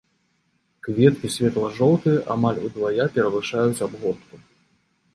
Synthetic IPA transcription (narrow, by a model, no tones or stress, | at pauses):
kvʲɛt̪̚kʲisʲvʲɛt̪lˠɐʐɔlˠt̪ɨjɐʔamalʲud̪vajapʲɛɾɐvɨʂajut͡sʲabɣɔt̪k̪u